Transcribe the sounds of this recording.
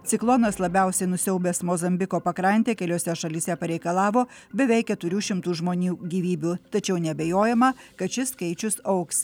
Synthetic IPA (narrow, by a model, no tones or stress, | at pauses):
t̪sʲɪklˠɔnɐslˠɐbʲɛˑʊsʲɛɪnʊsʲɛʊbʲesmoːzɐmʲbʲɪkoːpɐkɾɐnʲt̪ʲeːkʲɛlʲoːsʲɛʃɐlʲiːsʲɛpɐɾʲɛɪkɐlˠɑːʋoː | bʲɛʋʲɛɪk̚ʲɛt̪ʊɾʲuːʃʲɪmt̪uːʒmoːnʲuːɡʲiːʋʲiːbʲuːt̪ɐt͡ʃʲɛʊnʲɛbʲɛjoːjɛmɐkɐt̪ʃʲɪskɐɪt͡ʃʲʊsɐʊks